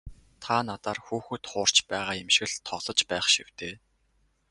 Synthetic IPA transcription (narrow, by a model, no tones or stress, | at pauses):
t̪ʰanat̪aːrxuːxɵ̆t̪χʊːr̥t͡ɕpæːʁaːjemʃ̆ɣɘ̆ɮt̪ʰːɔɮɞ̆t͡ɕpæːχʃiw̥t̪eː